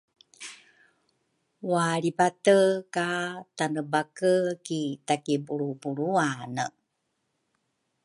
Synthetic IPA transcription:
waɭipatəkatanəbakəkitakibuɾubuɾuanə

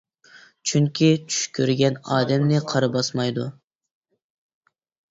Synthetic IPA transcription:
t͡ʃʰyŋkʲʰit͡ʃʰy̥ʃkʲʰøɾɡʲɛnɑ̰ːd̪ɛmnɪqʰɑɾɨbɑsmɑjd̪u

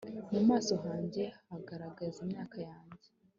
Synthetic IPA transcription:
mumaːso̞ɦaːɲɟe̞aɡaɾaɡazimɲaːkajaːɲɟe

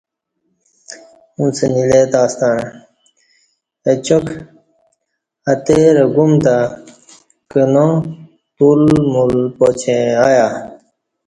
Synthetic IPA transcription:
ũnsənilet̪aːst̪an | et͡ɕok | ɐt̪eɾɐɡumt̪a | kəno | t̪ulmulpot͡ɕʰẽajaː

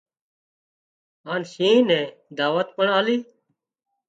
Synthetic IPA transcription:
aːnʃĩːnẽːd̪aːʋət̪pəɳaːliː

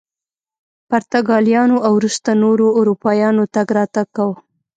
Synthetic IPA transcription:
paɾt̪aɡɑljɑnoʔawɾust̪anoɾoːɾupɑjɑnot̪aɡɾɑt̪aɡ̚kawə

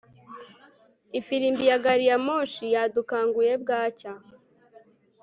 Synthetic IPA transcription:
ifiɾimbijaɡaɾijamoʃijadukaːŋɡuje̞bɡaːca

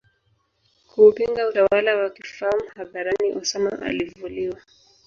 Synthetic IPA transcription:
kuːpiŋɡautawalawakifahamuhaðaɾaniʔusɛmaʔa̰livuliwa

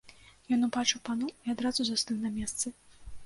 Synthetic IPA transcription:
jɔnubat͡ʂɨwpanuiad̪ɾazuzast̪ɨnnɐmʲɛst̪sɨ

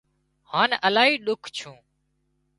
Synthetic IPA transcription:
haːnəlaːɦiːɗʊkʰt͡ʃʰũː

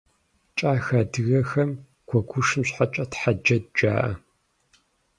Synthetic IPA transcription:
t͡ʃʼaːxɐdɨɣɐxɐm | ɡ̥ʷʰɔɡʷʊʂɨmɕħat͡ʃʼɐtħad͡ʒɐd̚d͡ʒa̰ːʔɐ̰

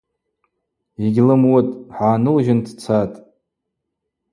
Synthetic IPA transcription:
iɡʲlɨmwʊtʼħaːnɨlʒɪndʰt͡sʰatʼ

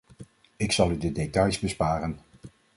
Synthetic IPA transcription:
ɪksɑlˠydədetɑjzbəspaːrən

